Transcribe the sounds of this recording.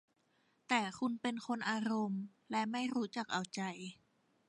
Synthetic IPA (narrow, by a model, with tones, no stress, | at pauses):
t̪ɛː˨˩kʰu˧npe˧nkʰo˧nʔaː˧ɾo˧m | lɛ˦˥ma˥˩jɾuː˦˥t͡ɕa˨˩k̚ʔa˨˩wt͡ɕa˧j